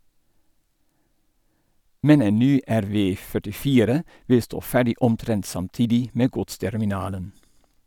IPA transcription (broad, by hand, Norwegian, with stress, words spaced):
ˈmɛn ˈeːn ˈnyː æɾˈʋeː fœʈɪˈfiːɾə ˈʋɪ ˈstoː ˈfæːɖɪ ɔmˈtɾɛnt sɑmˈtiːdɪ ˈmeː ˈɡʊtstɛɾmɪˌnɑːlən